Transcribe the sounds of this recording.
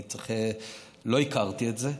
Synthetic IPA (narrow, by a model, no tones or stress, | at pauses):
t͡seχe | lo̞ikaʁt̪ietze